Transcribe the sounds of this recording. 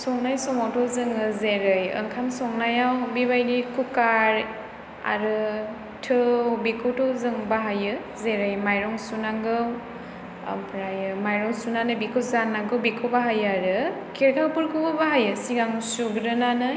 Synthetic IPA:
sɔŋnajsɔmawtʰɔwzɯŋɯzeɾɯjɯ̰ŋkʰansɔŋnajawbibajɾikʰukaɾ | a̰ɾɯ | tʰɯwbikʰɯwtʰɔwzɯŋbaɦajɯ | zeɾɯjmajɾɔŋsunaŋɡɯw | pʰɾajɯmajɾɔŋsunanɯbikʰɯwzanːaɡɯwbikʰɯwbaɦajaɾɯ | kʰeɾkʰawpuɾkʰubɯbaɦajɯsiɡaŋsuɡɾɯnanɯ

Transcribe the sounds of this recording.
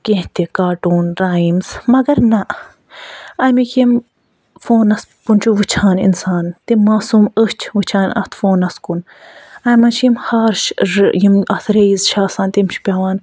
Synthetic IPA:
kẽɦt̪ekaːʈuːnɾaːimz̥mɐɡɐɾnɐʔ | ɐmikim | foːnɐspunt͡ʃʰuʋɨt͡ʃʰaːnḭnsaːnt̪imaːsuːməst͡ʃʰʋɨt͡ʃʰaːnɐ̰t̪ʰfoːnɐskun | ɐjmɐnt͡ʃʰjimhaːɾʃjimɐt̪ʰɾejizʃaːsaːnt̪imt͡ʃʰpʲaːʋaːn

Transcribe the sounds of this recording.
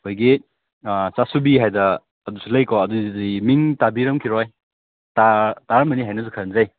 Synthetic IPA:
kʰojɡi | sasubiɦajdɐː | dusʰulɐjkɔɐduzimiŋtabiɾɐmkʰiɾɔj | tataɾmɐniɦajnɐsukʰanzaj

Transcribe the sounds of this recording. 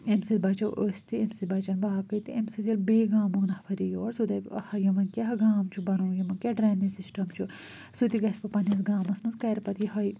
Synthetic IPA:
emsit̪bɐt͡ʃɐwʔəːsʲt̪iemsit̪bɐt͡ʃɐnbaːɐkət̪iemsit̪jɐlbeːɡaːmunɐhpʰɐɾijoːɾsud̪ɐhɐjɐʋɐnkʲɐɦɐɡaːmt͡ʃʰubɐnuwjɐmɐnkʲɐɖɾaːninsisʈɐmt͡ʃʰu | sut̪iɡɐspɐpɐnʲɐsɡaːmɐsmɐnzkɐːɾpɐt̪iɦɐj

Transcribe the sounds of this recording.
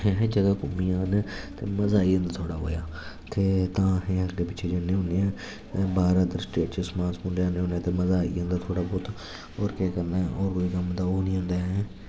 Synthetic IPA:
eɦːd͡ʒəɡaːkʊmiːãːnːt̪ḛːməzaːiːə̃nd̪aːt̪ʰoːɽaːɦo̰ːja̰ː | t̪ʰeːt̪ãːɦẽːəkd̪eːpɪt͡ʃːʃʰeːd͡ʒanẽːɦʊ̃ːneɛ̃ː | baːɾət̪əɾsʈeːʈt͡ʃəsmãːsmʊ̃ɳɖeaːneːɦʊ̃ːnãːt̪eːməzaːḭːə̃nd̪aːt̪ʰoːɽaːbɔːt̪ | ɔːɾkɛːkəɾnaːɔːɾkoːiːkəmd̪aːoːnĩːõːnd̪aːeː

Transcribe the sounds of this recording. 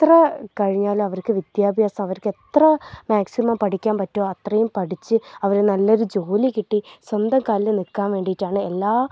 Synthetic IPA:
t̪rɐkɐɻiɲːaːlumɐʋɐrkɨʋid̪jaːbʱjaːsɐmɐʋɐɾke̞t̪rɐmaːksimɐmpɐʈʰikʲːaːnpɐtːoːɐt̪rɐjumpɐʈit͡ɕːɨɐʋɐɾenɐlːoɾud͡ʑoːlikiʈːiswɐnd̪ɐmkaːllɨnikːaːnʋe̞ːɳɖijitːaːɳɨelːaː

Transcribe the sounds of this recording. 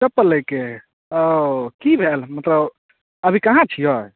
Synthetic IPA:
səpːələjke | kibʱelmət̪ləb | əbʱikaɦãt͡ʃʰijɔj

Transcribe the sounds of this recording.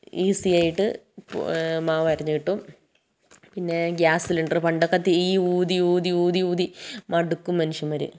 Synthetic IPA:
iːsijaːjiʈːɨ̰ | maːʋɐɾɐɲːuiʈːum | pinːe̞ɡjaːsiliɳɖrɨpɐɳɖɐkːɐt̪ːiiːuːd̪iuːd̪iuːðiuːðimɐɽukːumːɐnuʂjɐmʋɐɾṵ

